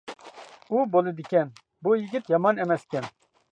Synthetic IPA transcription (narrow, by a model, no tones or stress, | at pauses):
ubolid̪ikʲɛn | bojiɡʲit̪jɑmɑnɛmɛskʲɛn